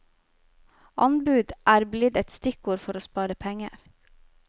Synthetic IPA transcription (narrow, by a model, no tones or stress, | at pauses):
ʔɑnbʉːd̪ʔæːɾblɪd̪ɛt̪st̪ɪkuːɾfɔɾoːspɑːɾəpʰɛŋə̰ɾ